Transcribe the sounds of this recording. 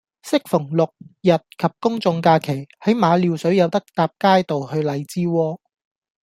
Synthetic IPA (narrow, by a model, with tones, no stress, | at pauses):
sɪ˥k̚fʊ˨˩ŋlʊ˨k̚jɐ˨t̚kʰɐ˨p̚kʊ˥ŋt͡sʊ˧ŋkaː˧kʰe˨˩jhɐ˨˥jmaː˨˧liː˨˧wsɵ˨˥ɥjɐ˨˧wt̪ɐ˥k̚t̪aː˧p̚kaː˥jt̪o˨whɵ˧ɥlɐ˨˧jt͡siː˥wɔː˥